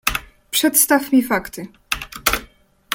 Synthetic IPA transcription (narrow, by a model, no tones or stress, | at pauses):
pʂɛt̪st̪afmʲifakt̪ɘ